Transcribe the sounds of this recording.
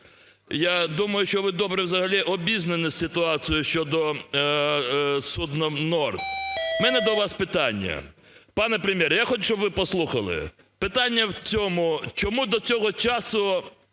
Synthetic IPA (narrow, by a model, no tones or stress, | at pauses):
jad̪umɐjʊʃt͡ʃɔʋɪd̪ɔbɾɛwzɐɦɐlʲiʔɔbʲiznenɪsʲɪt̪ʊɑt͡sʲijʊʃt͡ʃɔd̪ɔ | sud̪nɔmnɔrt̪mɛnɛd̪ɔwʋɑspɪt̪ɑnʲːɐ̰ | pɑnɛpɾemʲjɛɾjaxɔt͡ʃt͡ʃɔbʋɪpɔslˠuxɐlˠɪ̰ | pɪt̪anʲːɐwt͡sʲɔmʊt͡ʃɔmud̪ɔt͡sʲɔɦɔt͡ʃɑsʊ